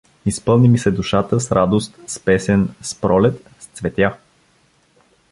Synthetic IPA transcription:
ispɤlˠnimisɛd̪uʃat̪əsɾad̪ost̪spɛsɛnspɾɔlɛt̪ | st̪svɛt̪ʲja

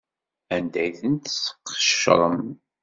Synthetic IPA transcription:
ænd̪æjθənt̪sə̥qːə̥ʃɾˤəm

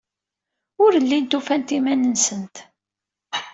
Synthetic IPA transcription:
ʊɾəlːint̪ufænt̪imænənsənt̪

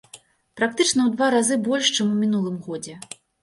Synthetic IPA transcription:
pɾak̚t̪ɨt͡ʂn̪ɐwd̪vaɾazɨbɔlʲʂt͡ʂɛmumʲinulˠɨmɣɔd͡zʲɛ

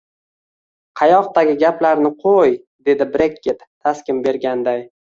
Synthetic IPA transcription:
qʰɑjɒqt̪aɡʲɪɡʲaplaɾnɪqʰoj | d̪e̞d̪ɪbɾekʲʰːet̪ʰːaskʲɪmbe̞ɾɡʲand̪aj

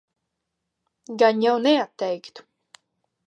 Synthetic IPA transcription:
ɡaɲjawnɛat̪ːɛjkt̪u̥

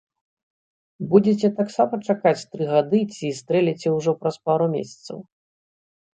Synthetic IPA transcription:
bud͡zʲɛt͡sʲɛt̪aksamɐt͡ʂakat͡sʲt̪ɾɨɣad̪ɨt͡sʲist̪ɾɛlʲɛt͡sʲɛwʐɔpɾɐspaɾumʲḛsʲɐ̥t̪sɐ̰w

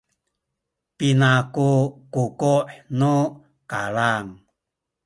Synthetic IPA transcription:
pinakukukuʔnu | kalaŋ

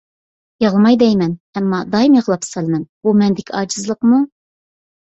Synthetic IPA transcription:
jɑʁlˠɨmɑjd̪ɛjmɛnɛmːɑd̪ɑjimjɑʁlˠɑpsɑlˠmɛnbumɛnd̪ɪkʲʰiɑːd͡ʒɨzlˠəqmu

